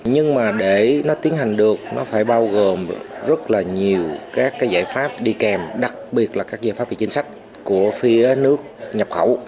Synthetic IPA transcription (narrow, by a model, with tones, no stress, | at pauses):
ɲɨ˧ŋmaː˨˩ɗe˧˩nɔ˨˦t̪i˨˦ənɦa˨˩jŋ̟ɗɨ˨˩ək̚nɔ˨˦faː˧˩jɓaː˧wɣo˨˩mzə˦˥t̚laː˨˩ɲi˨˩əwkaː˦˥kːaː˨˦jza̰ː˧˥˩jfaː˦˥p̚ɗi˧kɛ˨˩mɗa˨˩k̚ɓi˨˩ət̚laː˨˩kaː˦˥k̚zaː˧˥jfaː˦˥p̚ɓ̰ḭ˧˨˩t͡ɕnsa˦˥k̟̚ | ku˧˩əfi˨˧˦ənɨ˦˥ək̚ɲə˨˩p̚xə̰˧˩w